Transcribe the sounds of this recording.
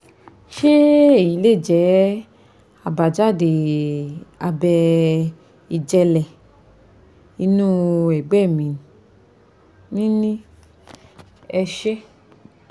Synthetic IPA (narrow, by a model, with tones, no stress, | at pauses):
ʃe˦e˦˨ji˨˦le˦˨d͡ʒɛ˨˦ | a˧ba˨d͡ʒa˦˨de˨ | a˧bɛ˧ | i˨d͡ʒɛ˧lɛ˨ | i˦˧nũ˦ɛ˨ɡ͡bɛ˦˨mĩ˨n˨ | nĩ˦nĩ˦ | ɛ˧ʃɛ˦